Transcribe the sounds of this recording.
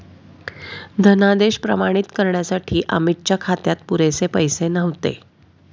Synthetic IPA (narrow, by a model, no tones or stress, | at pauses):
d̪ʱənad̪eɕpɾə̰maɽ̃it̪kəɾɳjasaʈʰiːʔə̰mit̪̚t͡ɕakʰat̪jat̪puɾesepəjsenəʋt̪ḛ